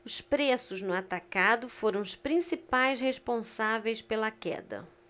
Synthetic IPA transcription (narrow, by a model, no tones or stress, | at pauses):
ʊspɾesʊznʊat̪akad̪ʊfoɾɐ̃w̃ʊspɾĩsipajshespõsavejspelɐkɛ̰d̪ɐ̰